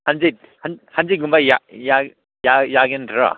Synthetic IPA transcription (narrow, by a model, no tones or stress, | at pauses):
hanzet̚ | hanhanziɡumbajaja | jajaɡendʰɾa̰